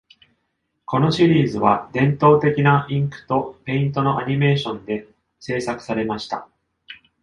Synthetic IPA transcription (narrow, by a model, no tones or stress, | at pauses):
ko̞no̞ɕiɾʲiːzɨβad̪ẽ̞nt̪o̞ːt̪e̞kʲinaĩŋkɯ̟̥t̪o̞pe̞ĩnt̪o̞no̞ʔaɲ̟ime̞ːɕõ̞nd̪e̞ | se̞ːsakɯ̟̥saɾe̞maɕi̥t̪a̰